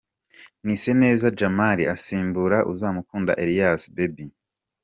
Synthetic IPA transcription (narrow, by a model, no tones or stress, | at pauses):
ŋ̥iːse̞ne̞ːzad͡ʒamaɾiʔasiːmbuɾaʔuzaːmukuːnda̰ʔeɾijasbebi